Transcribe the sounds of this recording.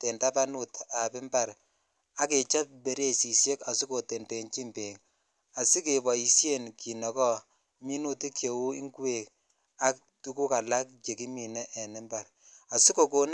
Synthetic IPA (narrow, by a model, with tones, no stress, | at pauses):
te˨nta˦pa˦nu˦ta˨pɪ˦mba˦˨ɾ | a˦ke˨t͡ʃa˦p̚be˨ɾe˦si˨sje˦ka˨si˦ko˨te˨nte˨nt͡ʃi˦mbe˨ŋ | a˨si˦ke˨bɔ˨i˨sje˦nki˨nɔ˨kɔ˦ | mi˦nu˦ti˦kʰje˨wu˦i˦ŋkwe˨k | a˦k̚ | tu˦ku˦ka˨la˦k̚t͡ʃe˨ki˦mi˨nɛ˦ʔɛ˨nɪ˦mba˨ɾ | a˨si˦ko˨ko˨n